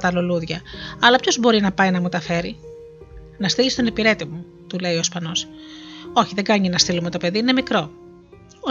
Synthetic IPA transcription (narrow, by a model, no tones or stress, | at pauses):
t̪ɐloluðʝɐɐlɐpço̞zbo̞ɾinɐpɐjnɐmut̪ɐfe̞ɾi | nɐst̪ilist̪o̞ne̞piɾe̞t̪imu | t̪ule̞iospɐno̞s | o̞çiðe̞ɡɐɲienɐst̪ilumet̪o̞pe̞ðiine̞mikɾo̞ | o